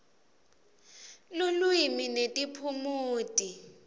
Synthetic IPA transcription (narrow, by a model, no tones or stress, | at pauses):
lʊlwiminetʼipʰumuːtʼi